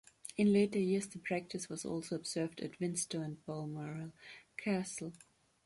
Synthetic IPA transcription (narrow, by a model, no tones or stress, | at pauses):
ɨ̃nleɪɾə˞jɪɹzðəpʰɹ̥æk̚tʰɨswʌzɔ̰lˠsoʊəbz̥ɜ˞vdɨ̰tvɪ̃nstoʊə̃nbɔlˠmɔɹlˠkʰæsl̩ˠ